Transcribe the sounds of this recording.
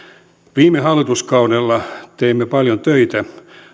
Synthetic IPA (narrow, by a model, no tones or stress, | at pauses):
ʋiːmːˑehɑlːit̪uskɑunelːɑt̪eimːepɑljont̪øit̪æ